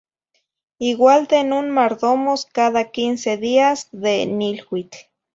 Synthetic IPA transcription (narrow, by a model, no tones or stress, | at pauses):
iɡwalt̪enunmaɾðomoskaðakinseðiasðenilwit͡ɬ